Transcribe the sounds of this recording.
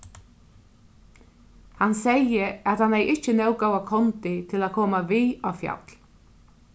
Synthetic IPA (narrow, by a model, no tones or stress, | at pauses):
hansɛjəat̪hanɛjʔɪt͡ʃənɛwɡowakʰɔnt̪ɪt̪ʰɪlakʰɔːmaviːafja̰t̪l̥